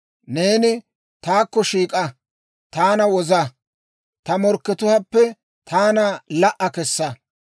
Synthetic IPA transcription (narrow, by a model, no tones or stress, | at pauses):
ne̞ːnɪ | t̪aːkːɔʃiːkʼɐ | t̪aːnɐwɔzɐ | t̪ɐmɔɾkːɛt̪ʊhɐpːɛ | t̪ʰaːnɐlɐʔɐkɛsːɐ